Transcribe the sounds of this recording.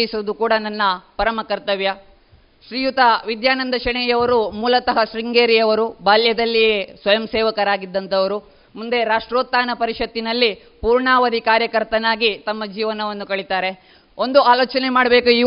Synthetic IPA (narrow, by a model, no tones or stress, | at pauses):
isɐd̪ukuːɽɐnɐnːɐpɐɾɐmɐkɐɾt̪ɐʋjɐ | ʃɾiːjut̪ɐʋid̪jaːnɐnd̪ʱɐʃɐɳɛjɐʋɐɾumuːlɐt̪ɐɦɐʃɾiŋɡeːɾijɐʋɐɾubaːljɐd̪ɐlːijesʋɐjɐmseːʋɐkɐɾaːɡid̪ːɐnt̪ʰɐʋɐɾu | mund̪e̞ɾaːʂʈɾoːt̪ːaːnɐpɐɾiʂɐt̪ːinɐlːi | puːɾɳaːʋɐd̪ʱikaːɾjɐkɐɾt̪ɐnaːɡit̪ɐmːɐd͡ʒiːʋɐnɐond̪ukɐɭit̪aːɾe̞ | o̞nd̪uaːloːt͡ʃɐnemaːɽbe̞ːkui